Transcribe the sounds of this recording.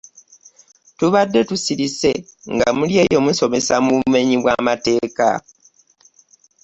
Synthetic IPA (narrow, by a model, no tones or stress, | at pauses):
tuβadːe̞tusiɾise̞ŋɡamulje̞ːjo̞muso̞me̞samuβume̞ɲiβwamate̞ːka̰